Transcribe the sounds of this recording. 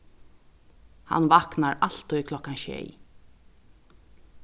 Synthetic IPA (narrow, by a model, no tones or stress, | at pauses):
ha̰nvaknaɾal̥t̪ɔkʰlɔkanʃɛ̰j